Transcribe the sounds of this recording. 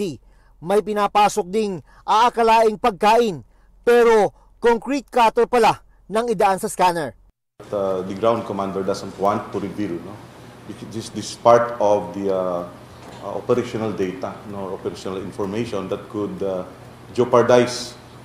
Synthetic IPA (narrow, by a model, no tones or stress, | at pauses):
i | mɐjpɪnaːpaːsok̚d̪ɪŋ | ʔaʔakɐlaːʔɪŋpɐɡ̚kaːʔɪn | pɛːɾo | koŋkɾit̪̚kaːt̪oɾpɐla | nɐŋɪd̪ɐʔansɐskaːnɛɹ | t̪ad̪ɐɡɹaw̃nd̪̚kɔmãnd̪ɛɹd̪asɛ̃nt̪wãnt̪ːʊɾɪbilnowɪt͡ʃdɪsd̪ispaɹt̪ɔvd̪ia | ʔo̰pɛɾiʃonɐld̪ejt̪ɐnoɹopɛɾaʃɔnalɪnfɔɹmejʃɔ̃nd̪ɐt̪̚kʊd̪a | d͡ʒopɐɹd̪ajs